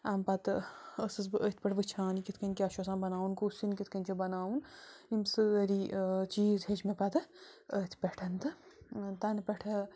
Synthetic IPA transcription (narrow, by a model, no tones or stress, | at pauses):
ampɐt̪əsɨs̬bɨʔət̪̚ʰʲpɐʈʰʋɨt͡ʃʰãːnikit̪ʰkɐnʲkiaʃɐsãːbɐnaːunkusinkit̪ʰkɐnʲt͡ʃʰibɐnaːunimsɨəɾit͡ʃiːzɦet͡ʃmepɐt̪ɨət̪ʰpʲɛʈʰɐnt̪ɨt̪ɐnpʲeʈʰɐ